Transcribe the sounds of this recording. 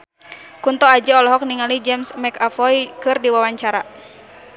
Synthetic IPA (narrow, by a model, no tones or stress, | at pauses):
kunt̪ɔad͡ʒaɔlɔɦɔk̚niŋalid͡ʒɛmsmɛkafɔjkɨrdiwawaɲt͡ʃaɾa